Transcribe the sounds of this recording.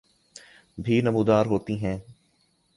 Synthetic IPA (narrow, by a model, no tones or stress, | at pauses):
bʱiːnɐmuːd̪aːɾɦoːt̪iɦɛ̃ː